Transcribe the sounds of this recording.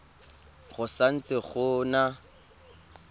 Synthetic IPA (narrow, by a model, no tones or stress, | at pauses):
ɣʊsan̩t͡sɪχʊna